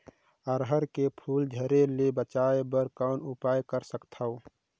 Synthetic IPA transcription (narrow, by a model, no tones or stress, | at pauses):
əɾɦəɾkepʰuːld͡ʒʱəɾelebət͡ʃaebəɾkaʊnupajkəɾsəkt̪ʰəʊ